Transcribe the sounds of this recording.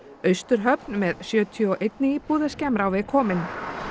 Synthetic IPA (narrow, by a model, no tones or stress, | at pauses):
œɥst̪ʏɾ̥ɦœpnmɛðsjœːt̪ʰiɔʔejt̪nɪipuːðascɛmɾawvɪkʰɔːmɪn